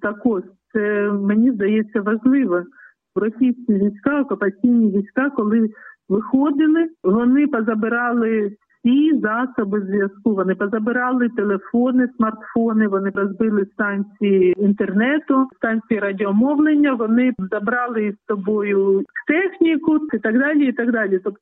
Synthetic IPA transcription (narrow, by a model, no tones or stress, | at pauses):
t̪ɐkɔʂt̪sɛmenʲizd̪ɐjɛt͡sʲːɐʋɐʒlˠɪʋɐ | ʋɾɔsʲijsʲkʲiʋʲijsʲkɑɔkʊpɐt͡sʲijnʲiʋʲisʲkɑkɔlˠɪʋɪxɔd̪ɪlˠɪʋɔnɪpɐzɐbɪɾɑlˠɪsʲizɑsɔbɪzʋʲjɐskuʋɔnɪpɔzɐbɪɾɑlˠɪt̪elˠefɔnɪsmɐrt̪fɔnɪʋɔnɪɾɔzbɪlˠɪst̪ɑnʲt͡sʲijiint̪ernɛt̪ʊst̪ɑnʲt͡sʲijiɾadʲɪɔmɔʋlˠenʲːɐʋɔnɪzɐbɾɑlˠɪissɔbɔjʊkt̪ɛxnʲikʊɪt̪ɐɡd̪ɑlʲiːt̪ɐɡd̪ɑlʲit̪ɔp